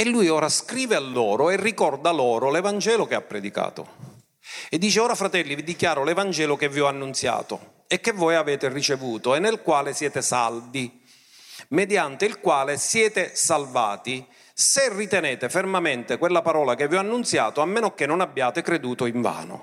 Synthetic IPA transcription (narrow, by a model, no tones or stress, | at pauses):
ɛlːujɔːɾaskɾiːvealːɔːɾʊɛrːikɔrd̪alɔːɾʊlɛvand͡ʒɛːlʊkea̰pːɾɛd̪ika̰ːt̪ʊ̰ | ɛd̪ːiːt͡ʃeɔːɾafɾat̪ɛlːivid̪ikjaːɾʊlɛvand͡ʒɛːlʊkevːiɔanːunt̪sja̰ːt̪ʊ̰ | ɛkːevːɔːjavɛːt̪ɪrit͡ʃevuːt̪ʊɛnːelkwaːlɪsjɛːt̪ɪsa̰ld̪i | mɛd̪jant̪ɪilkwaːlɪsjɛːt̪ɪsalva̰ːt̪i | serːit̪ɛnɛːt̪efermament̪ɪkwelːapaɾɔːlakevːiɔanːunt̪sja̰ːt̪ʊamːɛːnʊkenːʊnabːjaːt̪ɪkɾed̪uːt̪ʊiɱva̰ːnʊ̰